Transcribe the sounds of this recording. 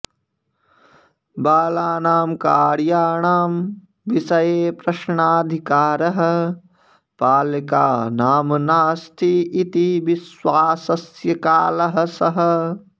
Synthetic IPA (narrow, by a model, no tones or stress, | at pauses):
baːlaːnaːmkaːɾjaːɳaːm | ʋisɐjeːpɾɐʃɳaːd̪ʱikaːɾɐɦɐ̆ | paːlika̰ːnaːmnaːst̪ʰiit̪iʋiswaːsɐsjɐkaːlɐɦɐ̆sɐɦɐ̆